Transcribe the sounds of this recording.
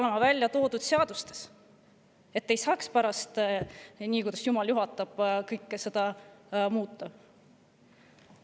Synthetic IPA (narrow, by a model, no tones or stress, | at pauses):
lemɑvælʲːjɑt̪o̞ːd̪ud̪̥se̞ɑd̪̥ust̪e̥s | e̞t̪ːejsɑːkspæɾɑst̪ | niːkujd̪ɑsjumɑljuɦɑt̪ːˑɑb̥kɤjkːˑse̞d̪̥ɑmuːt̪ːˑɑ